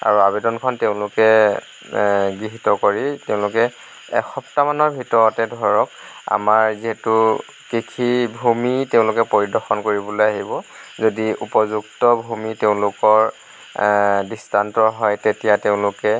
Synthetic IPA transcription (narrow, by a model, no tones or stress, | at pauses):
a̰ɹuabɛdɔnkʰɔnteʊ̃lʊkɛ | ɡɹiɦitɔkoɹiteʊ̃lʊkɛ | ɛ̰xɔptamanɔɹbʱitɔɹɔtɛdʱɔɹɔk̚a̰maɹziɦɛtu | kikʰibʱumiteʊ̃lʊkɛpoɹidɔɹxɔnkoɹibɔlojaɦibɔzodiṵpɔzuktɔbʱumiteʊ̃lʊkɔɹ | distʰantɔɦɔjtetijateʊ̃lʊkɛ